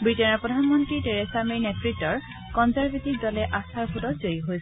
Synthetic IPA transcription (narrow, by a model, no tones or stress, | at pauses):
bɹitɛnɔɹpɹɔdʱanmɔntɹitɛɹɛsaminɛtɹitːɔɹ | kɔnzaɹbʱetik̚dɔlɛʔasaɹpʰutɔtzojiɦojsɛ